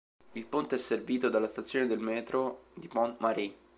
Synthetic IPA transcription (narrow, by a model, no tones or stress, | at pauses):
ilpont̪eɛsːerviːt̪od̪alːast̪at̪sjoːned̪elmɛːt̪ɾod̪ipɔnmaɾi